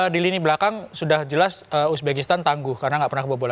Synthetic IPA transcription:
diliniblakaŋsudahd͡ʒəlasəusbekist̪ant̪aŋɡʊhkaɾənaŋɡaʔpərnakəbəbola

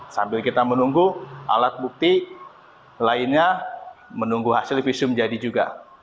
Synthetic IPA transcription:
sambɪlkit̪amənuŋɡuʔa̰lat̪̚buk̚t̪i | laɪnɲa | mənuŋɡuɦasɪlfisʊmd͡ʒadid͡ʒuɡa̰

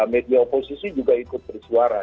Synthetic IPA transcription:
mediaoposisid͡ʒuɡaikʊt̪̚bərsuaɾa

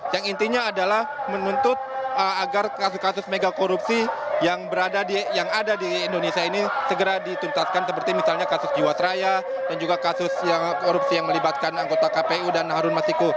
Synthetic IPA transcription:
jaŋint̪iɲaːdalahmənunt̪ʊt̪̚əaɡarkaskasʊsmeɡakoɾupsijaŋbəɾadadijaŋadadiːndonesiainisəɡəɾadit̪unt̪at̪̚kansəpərt̪imisalɲakasʊsd͡ʒiwasɾaja | dand͡ʒuɡakasʊsjakoɾup̚sijaŋməlibat̪̚kanaŋɡot̪akapeudanːaɦaɾʊnmasiko

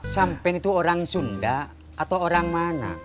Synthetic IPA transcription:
sampɛŋit̪uoɾaŋsunda | at̪awoɾaŋmana̰

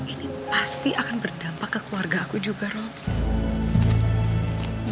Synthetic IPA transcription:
ʔinipast̪iʔakanbərdampakːəkluarɡaːkud͡ʒuɡaɾɔ

